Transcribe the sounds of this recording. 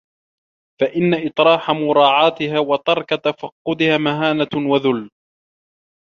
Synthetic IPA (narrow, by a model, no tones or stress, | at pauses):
faʔɪnːaʔɨt̪ˤɾˤɑːħamʊɾˤɑːʕɑːt̪ɪhaːwɑt̪ɑɾˤkat̪afɑqːʊd̪ɪhaːmaɦaːnawaðʊlː